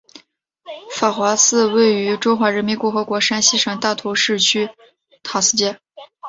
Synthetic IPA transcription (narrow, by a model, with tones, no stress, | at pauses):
fa˨˩xwa˧˥sɹ̩˥˧we˥˩ɪy˧˥ʈ͡ʂʊ˥ŋxwa˧˥ɻə˧˥nmi˧˥nkʊ˥˩xɤ˧˥kwɔ˧˥ʂa˥nɕi˥ʂɤ˨˩ŋt̪a˥˩t̪ʰo˧˥ʊʂɻ̩˥˩t͡ɕʰy˥ | t̪ʰa˧˩sɹ̩˥t͡ɕjɛ˥˩n